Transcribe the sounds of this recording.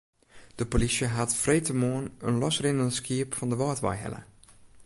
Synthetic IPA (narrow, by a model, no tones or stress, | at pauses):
d̥əpolisjəɦatfrejtəmoənənlɔsrɪnəndəskiəpfɔndəʋɔːtʋa̰jɦɛ̰lə̰